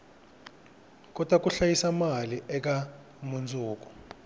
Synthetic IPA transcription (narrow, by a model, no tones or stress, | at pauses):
k̬ɔd̥ʱʼwak̬ʼuɬajisamaliʔɛk̬a | mund͡zʱʼuːk̬u̥